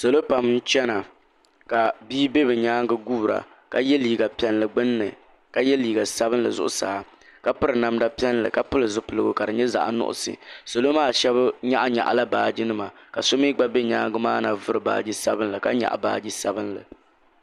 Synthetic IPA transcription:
so˨lo˦pa˨mn̩˦t͡ʃɛ˦na˨ | ka˨biː˦be˦bɨ˨ɲaː˦ŋɡɨ˦ɡuː˦˨ɾa̰˨ | ka̰˨jɛ˦liː˨ɡa˨pɛ˨nlɨ˨ɡ͡bɨ˦nːɨ˨ | ka˨jɛ˦liː˨ɡa˨sa˦bɨ˦nlɨ̰˨zʊ̰˦ʔʊ˦saː˨ | ka˦pɨ˦ɾɨ˨na˨mda˦pɛ˦nlɨ̰˨ka˨pʊ˦lɨ˨zʊ˦pɨ˨lɨ˦ɡʊ˦ka˨dɨ˨ɲɛ˦za̰˨ʔa̰˨nʊ̰˦ʔʊ̰˨sɨ̰˨so˨lo˦maː˦ʃɛ˦bɲa˦ʔa˦ɲa̰˨ʔa̰˨la˦baː˨d͡ʒi˦nɨ˦ma˨ka˨so˦mi˦ɡ͡ba˦be˦ɲaː˦ŋɡɨ˦maː˦na˨vʊ˦ɾɨ˨ba̰ː˨d͡ʒi˦sa˦bɨ˦nlɨ˨ka̰˦ɲa̰˨ʔa̰˨ba̰ː˨d͡ʒi˦sa˦bɨ˦nlɨ̰˨

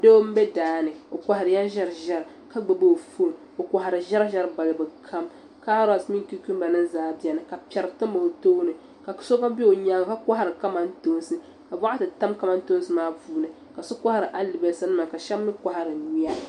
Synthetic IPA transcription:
do˦m̩˦bɛ˦daː˨˦nɨ˨o˨ka˨ha˨ɾɨ˨ja˦ʒɛ˦ɾʒɛ˦ɾɨ˨ | ka˦ɡ͡bɨ˨bo˦˨fo˦˨n˨o˨kʷa˨ɦa˨ɾɨ˨ʒɛ˦ɾʒɛ˦ɾba˨lɨ˨bɨ˨kʰa˦m | ka˦ɾa˨smi˦ŋ˦ki˦ku˦m˦ba˨nɨ˦nzaː˦bɛ˨nɨ˨ka˨pʲɛ˨ɾɨ˨tɨ˦mba˨ho˨toː˦nɨ˨ | ka˨˦so˦ka˦bi˦o˨ɲaː˨˦˨ka˦ka˦ɦa˦ɾɨ˨ka˦ma˦n˦to˦n˦sɨ˦ | ka˨ba˦ʔa˦tɨ˨ta˦mka˦ma˦nto˦n˦sɨ˨maː˦vuː˦nɨ˨ | ka˨so˦kʷa˦ha˦˨ɾɨ˨ʔa˦lɨ˨bɛ˨sa˦nɨ˦ma˨ka˨ʃɛ˦mː˦ɨ˦ka˨ha˨ɾɨ˨ɲi˦a˦

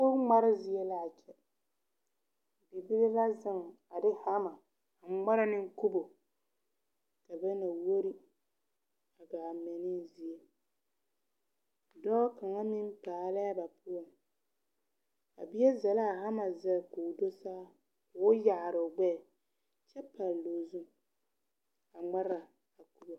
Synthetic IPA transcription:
o˦ŋ͡ma˦ɾɪ˦zi˦e˦la˦a˨t͡ʃɛ˦ | bi˨bi˦lɪ˦la˦zɪ˦ŋ˨ | a˨dɪ˦ha˦ma˨ | a˨ŋ͡ma˦ɾa˦nɪ˦ŋ̩˦ku˦bo˨ | ka˨bɛ˦na˨wo˦ɾi˦ | a˨ɡa˨mɛ˨nɪ˦zi˨e˦ | dɔː˦ka˨ŋa˦mɪ˦m˦paː˨la˦a˦ba˨pʊ˦ɔ˨ŋ | a̰˨bi˦ɛ˦za˨la˦˨ɦa˦ma˨zɛ˨kʊ˨do˦saː˦ | kʊ˨ɔ˦ja˨ɾʊ˨ɡ͡bɛ˦˨ | t͡ʃɛ˦pa˨lloː˨zu˦ | a˨ŋ͡ma˦ɾa˨ | a˨ku˦bo˨

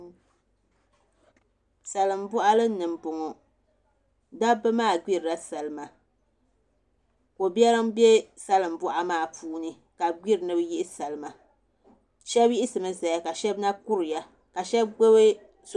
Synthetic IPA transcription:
sa˨lɨ˨mbɔ˦ʔa˦lɨ˦nɨ˨m˨bʊ˨ŋɔ˨ | da˦bɨ˦maː˦˨ɡ͡bi˦ɾɨ˨la˦sa˨lɨ˨ma˨ | ko˨bjɛ˦lɨ˦ŋ˦bje˦sa˦lɨ˨m̩˨bʊ˦ʔa˦maː˦˨puː˦nɨ˦ | ka˨ɡ͡bi˦ɾɨ˨nɨ˦bji˦ʔɪ˦sa˨lɨ˨ma˨ | ʃɛ˦bji˦ʔɪ˦sɨ˨mɨ˦za˨ja˨ka˨ʃɛ˦bna˦ku˦ɾɨ˨ja˦ | ka˨ʃɛ˦bɡ͡bo˦be˦

